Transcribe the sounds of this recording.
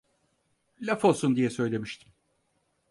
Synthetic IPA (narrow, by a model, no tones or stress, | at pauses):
lʲafo̞lˠsund̪ijɛsø̞jlʲe̞miʃt̪ʰi̥m